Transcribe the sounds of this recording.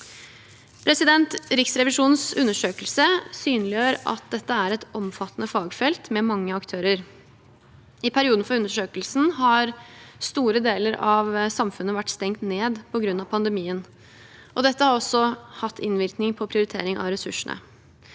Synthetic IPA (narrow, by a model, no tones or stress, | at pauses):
pʰɾɛsɪd̪ɛnt̪ɾɪksɾɛʋɪʂuːnsʉnːəʂøːkəlsəsyːnlɪøːɾɑ̰t̪̚d̪ɛt̪ːəæɾɛt̪ɔmfɑt̪ːnəfɑːɡfɛlt̪mɛmɑŋːəɑkt̪ʰøːɾəɾ | ɪpʰæɾɪuːd̪n̩fɔɾʉnəʂøːkəlsn̩ɦɑɾst̪uːɾəd̪eːləɾɑʋsɑmfʉnːəʋæʈːst̪ɛŋt̪neːd̪pʰɔɡɾʉnːɑpʰɑnd̪əmiːən | ʔɔd̪ɛt̪ːəhɑɾɔsːɔhɑt̪ʰːɪnʋɪɾknɪŋpʰɔpʰɾɪʊɾɪt̪ʰḛːɾɪŋɑ̰ʋɾɛsʉʂəɳə̰